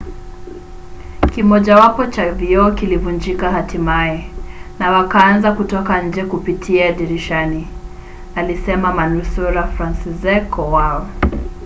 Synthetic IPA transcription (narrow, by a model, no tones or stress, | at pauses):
kimɔʄawapɔt͡ʃaviɔkilivund͡ʒikahatimaɛnawakaanzakutɔkaɲ̩d͡ʒɛkupitʰiaːʄiɾiʃani | alisɛmamanusuɾafɾansizɛkʰɔwaɔ